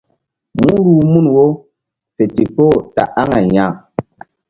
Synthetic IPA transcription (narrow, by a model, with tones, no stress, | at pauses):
mu˦ɾu˨mu˦˨nwo˦ | pe˨ti˨po˦˨ta̰˨ʔa˦ŋa˨ɲa˦˨